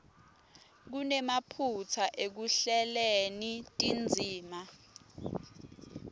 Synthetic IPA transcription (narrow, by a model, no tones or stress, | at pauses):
k̬unɛmapʰut͡sʰaʔek̬uɬɛlenitʼind͡zʱiːma